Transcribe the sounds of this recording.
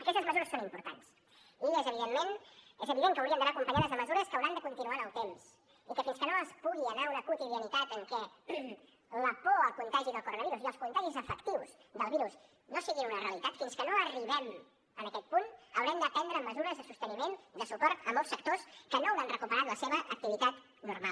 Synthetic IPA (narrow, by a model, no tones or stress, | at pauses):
əɾkɛst̪əzməzuɾəsːonimpuɾt̪a̰ns | iezəβiðemːenezəβiðeŋkəwɾiəmnd̪ənakumpəɲaðəzðəməzuɾəskəwɾand̪əkunt̪inuanəlˠt̪ems | ikəfinskənoəspuɣiənaunəkut̪iðiənit̪at̪əŋkɛ | ləpoəlˠkunt̪aʒiðəlˠkuɾonəβiɾusiəlˠskunt̪aʒizəfəkt̪iwzd̪əlˠβiɾus | nosiɣinunəreəlit̪at̪finskənoəriβ̞ɛm | ənəkɛt̪̚punəwɾɛmd̪ət̪ɛnd̪ɾəːmːəzuɾəzðəsust̪ənimend̪əsupɔɾt̪əmɔlˠsːək̚t̪oskənowanrəkupəɾat̪ləseβəʔək̚t̪iβit̪at̪ | nuɾmalˠ